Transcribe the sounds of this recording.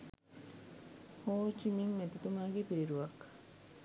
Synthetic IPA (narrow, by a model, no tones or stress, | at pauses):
hoːt͡ʃimiŋmet̪it̪umaːɡepiɾiɾuʋɐkːɐ̥